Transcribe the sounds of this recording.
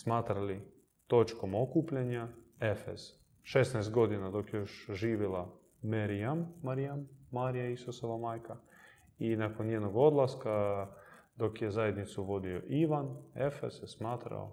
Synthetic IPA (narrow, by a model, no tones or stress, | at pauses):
smaːt̪ɾali | t̪o̞t͡ʃko̞mo̞kuːpʎaɲaefez | ʃe̞snajst̪̚ɡo̞d̪inad̪o̞kjejoʃʒiːʋila | meɾijamːaɾijamːaɾijaisosoʋamaːjka | inakonjed̪noɡo̞d̪lˠaska | d̪o̞kjezaje̞d̪nit̪suʋo̞d̪io̞̰ʔiʋanefḛzjesmaːt̪ɾa̰o̰